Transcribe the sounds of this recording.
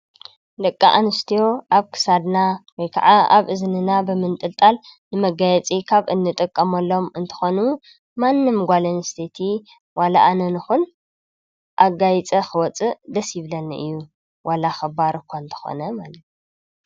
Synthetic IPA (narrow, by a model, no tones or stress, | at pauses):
lɐkʼːa̰ʔanɨst̪ʰijo̞ʔaβkʰɨ̥sad̪nawɔjkʰa̰ʕaaβʔɨznɨnabɨmɨnt̪ʼɨlt̪ʼalnɨmɐɡajɛt͡sʼikʰaβɨnːɨt̪ʼɨkʼːɐmɐlːo̞mɨnt̪ʰɨ̥xonu | manːɨmɡʷalɐnɨst̪ʰet̪ʰi | walaʔanɐnɨxun | ʔaɡajt͡sʼɐxɨwɔt͡sʼɨd̪ɐsjiβlɐnːɨʔɨ̰jːu | wʔalaxɐbaɾɨkʷʰːaɨnt̪ʰɨ̥xo̞̰nɐmalɐt̪u